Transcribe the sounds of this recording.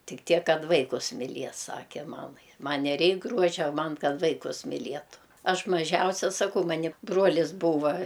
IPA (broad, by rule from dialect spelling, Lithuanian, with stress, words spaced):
ˈtʲɪk ˈtʲiɛk ˈkɐt ˈʋɐɪkʊs mʲɪˈlʲiɛs ˈsɑːkʲɛ ˈmɑːmɐɪ ˈmɐnʲ nʲɛˈrʲɛɪk ˈɡruɔʒʲɛ ˈmɐn ˈkɐt ˈʋɐɪkʊs mʲɪˈlʲiɛtʊ ˈɐʃ mɐˈʒʲɛʊsʲɛ sɐˈkɐʊ ˈmɑːnʲɪ ˈbruɔlʲɪs ˈbuːʋɐ